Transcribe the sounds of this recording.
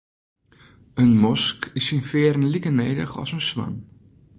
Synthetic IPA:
ənmɔskɪsinfɪːəɾənlikənejdə̰χɔ̰sənsʋa̰n

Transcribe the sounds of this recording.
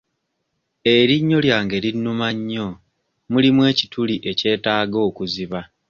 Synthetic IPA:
e̞ɾiɲːo̞ljaːŋɡe̞linːumaɲːo̞ | mulimwe̞ːci̥tuliʔe̞ce̞ːtaːɡo̞ːkuziβa

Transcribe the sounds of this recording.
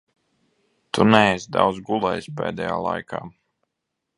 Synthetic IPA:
t̪unɛɛsd̪a̰wd̪zɡulˠɛjsʲpɛːd̪ɛja̰ːlˠa̰jkʰaː

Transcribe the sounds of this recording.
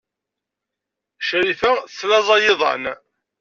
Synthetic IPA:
ʃɾifæθθlɑzˤɑjɪðˤɑ̰n

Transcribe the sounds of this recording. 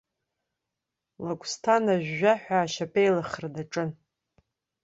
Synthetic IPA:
lakʷʼstʰanaʒʷᶣːaħʷᶣaːʃapʰejlaχrdaʈ͡ʂʼɨn

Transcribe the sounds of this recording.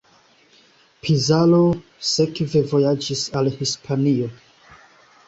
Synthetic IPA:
pʰizalo | sekve̞vo̞jad͡ʒisalhispʰanio̞

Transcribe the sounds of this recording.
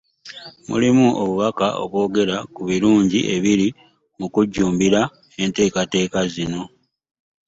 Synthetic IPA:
mṵlimuʔoβuβakaʔo̞̰βwo̞ːɡe̞ɾakuβiɾuːɲɟḭʔe̞βiɾi | mukuɟːuːmbiɾa | e̞nte̞ːkate̞ːkazino̞

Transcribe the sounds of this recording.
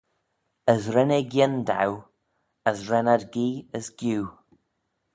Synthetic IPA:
əzɾɛneɡjɪnda̰w | əzɾɛnadɡiːəzɡjuː

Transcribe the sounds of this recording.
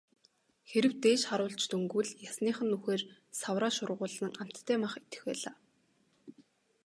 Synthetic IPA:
xeɾɘ̆wt̪eːʃχaɾʊːɮt͡ɕt̪uŋɡŭɮjasniːχə̆nːuxeːr | sawraːʃʊrʁʊːɮə̆ŋam̥t̪ʰːæːmaχet̪ɘ̥̆xpæ̰ːɮaː

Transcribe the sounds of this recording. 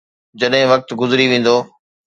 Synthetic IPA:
d͡ʑɐɗɦɪ̃ʋɐk̚t̪ɡʊzɾiʋẽːn̆d̪oː

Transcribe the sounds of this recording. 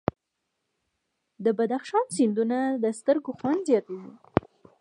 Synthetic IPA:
d̪əbad̪axʃɑnsɪnd̪unad̪əst̪əɾɡoxwand̪zjɑt̪awi

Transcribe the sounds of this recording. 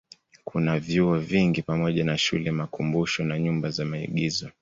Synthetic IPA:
kʰunavjuɔviŋɡipamɔʄanaʃulɛmakumbuʃɔnaɲumbazamaḭɠizɔ

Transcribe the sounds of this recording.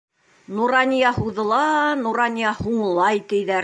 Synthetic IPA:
nuɾɑnʲijɑhuðɤ̆lˠɑnuɾɑnʲijɑhuɴlˠɑjt̪ɘ̆jðæɾ

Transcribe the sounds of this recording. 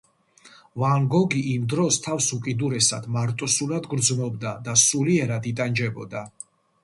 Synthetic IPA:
vaŋɡɔɡiʔimd̪ɾɔst̪ʰafsukʼid̪uɾɛsad̪̥maɾt̪ʼɔsulad̪ɡɾd̪zmɔb̚d̪ad̪asuliɛɾad̪it̪ʼand͡ʒɛbɔ̰d̪a

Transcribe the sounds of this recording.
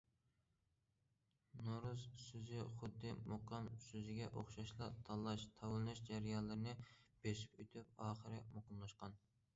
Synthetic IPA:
noɾuzsøzɪχʊd̪ːɨmoqʰɑmsøzɪɡʲɛʔoχʃɑʃlˠɑt̪ʰɑlˠːɑʃt̪ʰɑwlˠnɨʃd͡ʒæɾijɑnlˠɨɾɨnɨb̥eʃi̥pyt̪ʰyp̚ɑːχəɾɪmoqəmlˠɑʃqɑn

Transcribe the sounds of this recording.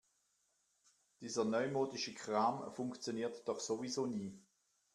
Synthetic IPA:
d̥iːzənœʏmoːdiʃəkʰʁaːmfʊŋkt͡sjoniːɐtd̥ɔχsovizoːniː

